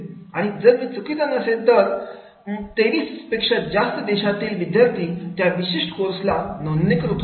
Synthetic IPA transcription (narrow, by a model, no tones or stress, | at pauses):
aɽ̃id͡zəɾʋit͡sukit̪ənəsed̪əɾ | t̪eʋiːspekʂəd͡zast̪əd̪eɕat̪iːlʋid̪jaɾt̪ʰiːt̪jaʋiɕiʂʈə̥koɾslanonːikɾuk̪